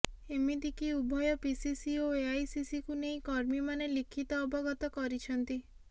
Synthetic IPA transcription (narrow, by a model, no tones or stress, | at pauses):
emid̪ikiubʱɔjɔpisisioeajsisikunej̃kɔɾmimanelikʰit̪ɔːbʱɔɡɔt̪ɔkɔɾit͡ʃʰɔnt̪i